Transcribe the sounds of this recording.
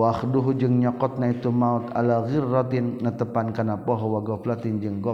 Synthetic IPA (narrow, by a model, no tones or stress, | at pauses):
waxduɦud͡ʒəŋɲɔkɔt̪̚nait̪umaut̪a̰laɣirːɔt̪inːət̪əpankanapɔɦɔwaɡɔplat̪ind͡ʒəŋɡɔ